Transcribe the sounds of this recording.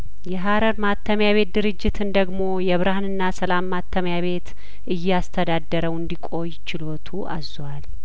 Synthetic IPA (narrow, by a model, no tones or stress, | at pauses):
jɛɦaɾəɾmat̪ʰːəmjaβe̞t̪̚d̪ɨɾɨd͡ʒːɪt̪ʰɨnd̪əɡmo̞jɛβɨɾahnɨnːasəlamːat̪ʰːəmjaβe̞t̪ | ʔɨjːɛast̪ʰəd̪ad̪ːəɾəwɨnd̪ikʼo̞jt͡ʃɪlo̞t̪ʰuʔa̰zwal